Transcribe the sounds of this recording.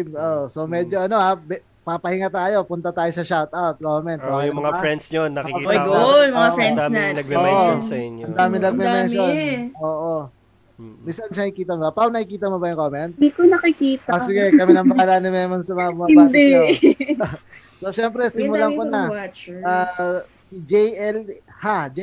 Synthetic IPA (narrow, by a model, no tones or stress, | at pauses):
moʔsomɛd͡ʒoʔɐno̞habɛ | pɐpɐhɪŋɐt̪aːjo̞pʊnt̪ɐt̪aːjo̞sɐʃawt̪ʔawt̪̚komɛnt̪sjʊmɐŋafɾɛnd̪sonːɐɪɡomɐafɛnɐoʔɐɪɐnd̪aːmɪnɐɡ̚mɛmɛnʃonoːʔo | minsɐnʃɐnɪkiːt̪ɐmobɐpaŋnɐkɪkiːt̪ɐmobɐjʊŋkoːmɛnt̪̚ikonɐkɪkiːt̪aasɪɡɛkɐmɛinɐmpɐalaːnɪmɛmonsɐmɐŋabʊmɐbbad̪ɛ | soʃɛmpɾɛsɪmʊlakonɐaː | sid͡ʒɛjʔɛl | had͡ʒ